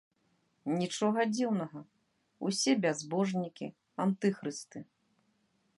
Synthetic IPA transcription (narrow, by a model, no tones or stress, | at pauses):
nʲit͡ʂɔɣɐd͡zʲiwnɐɣɐ | ṵsʲɛbʲazbɔʐnʲikʲi | ant̪ɨxɾɨst̪ɨ